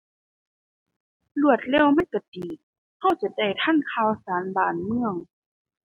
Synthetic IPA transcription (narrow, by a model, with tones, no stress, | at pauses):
lu˧˩ət̪̚lɛː˧˥˨wma˧˥˨nka˧˩diː˨˩ | ha˧˥˩wt͡ɕa˨˧˦da˧˩jt̪ʰa˧˥˨nkʰaː˧˩˨wsaː˨˦nbaː˨˩nmɯ˧˨əŋ